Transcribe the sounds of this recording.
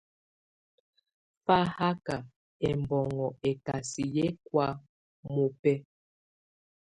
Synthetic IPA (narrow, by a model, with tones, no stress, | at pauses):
fa˦ha˦ka˨ | ɛ˨m˨bɔ˨ŋɔ˨ɛ˨ka˨si˨jɛ˦kwa˦ | mo˨pɛ˦